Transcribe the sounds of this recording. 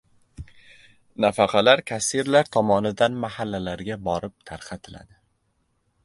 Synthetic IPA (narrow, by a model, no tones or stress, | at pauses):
nafɑqʰɑlaɾkʲʰasiɾlaɾt̪ʰɒmɒnɪd̪anmahalːalaɾɡʲabɒɾɪp̚t̪ʰaɾqʰɑt̪ʰɪla̰d̪ɪ